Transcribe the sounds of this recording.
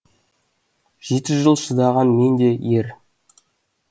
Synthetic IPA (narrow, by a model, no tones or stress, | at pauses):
ʒ̥e̞t̪ɪʒəlˠʃəd̪ɑʁɑnme̞nd̪e̞je̞ɾ